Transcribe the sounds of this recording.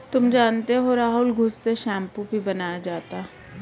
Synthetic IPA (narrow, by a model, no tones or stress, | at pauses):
t̪ʊmd͡ʒaːnt̪eɦoɾaːɦʊlɡʱʊsːeʃɛ̃ːmpubʱibɐnaːjad͡ʒaːt̪a